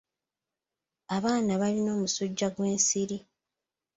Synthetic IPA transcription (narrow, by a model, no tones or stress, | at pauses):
aβaːnaβalino̞ːmusuɟːaɡwe̞ːnsiɾi